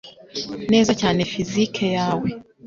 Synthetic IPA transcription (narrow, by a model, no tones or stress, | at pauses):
ne̞ːzacaːne̞fizikʰejaːwe